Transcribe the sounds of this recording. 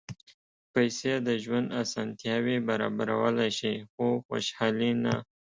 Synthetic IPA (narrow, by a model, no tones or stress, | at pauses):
pajsed̪əʒwand̪asɑnt̪jɑwebaɾɑ̰baɾa̰wəlajʃixoxo̰ʃhɑlina